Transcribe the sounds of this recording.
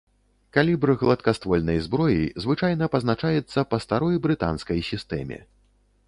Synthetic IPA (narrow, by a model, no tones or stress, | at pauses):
kalʲibɾɨɣlˠɐt̪̚kast̪vɔlʲnɐjzbɾɔjḭzvɨt͡ʂajn̪ɐpɐznat͡ʂajɛt̪sːɐpɐst̪aɾɔjbɾɨt̪a̰nskɐjsʲist̪ɛ̰mʲɛ̰